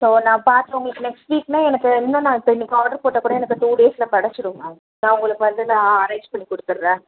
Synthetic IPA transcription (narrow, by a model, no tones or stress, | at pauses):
soːnãːpaːɾt̪ɯʋaŋɡɐɭkːɯnɛksʈʋiːknãːɛnɐkːɯɪnːõːnãːɪpːɐɪnːɪkːaːɾɖɐɾpoːʈːɐkːuːɽɐɛnɐkːɯt̪uːɽeːsɪlɐpɐɽɐt͡ʃːɯɾɯmɐː | nãːʊŋɡɐɭɯkːɯʋɐnd̪ɯnãːɐɾɐɪɲd͡ʒpɐɳːikɔɽɯt̪ːɯɾɾɛ̃ː